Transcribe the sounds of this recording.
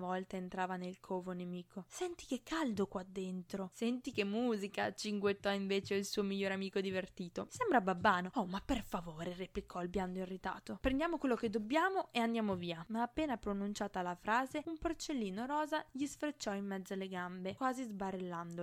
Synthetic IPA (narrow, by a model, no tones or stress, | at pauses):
vɔlt̪aent̪ɾaːvanelkʰoːvonemiːkʰosɛnt̪i̥kekːald̪okwad̪ːent̪ɾosɛnt̪ikemːuːzikat͡ʃiŋɡwet̪ːɔiɱveːt͡ʃeilsuːomiʎːoːɾamiːkod̪ivert̪iːt̪osɛmbɾababːaːnoɔmapːerfavoːɾereplikʰɔilpjand̪oirːit̪a̰ːt̪opɾend̪jaːmokwelːoked̪ːobːjaːmoʔeand̪jaːmoviːamaːpːeːnapɾonunt͡ʃaːt̪alafɾaːzeumport͡ʃelːiːnoɾɔːzaʎisfɾet͡ʃːɔimːɛd̪zːaleɡambekwaːzizbarelːand̪o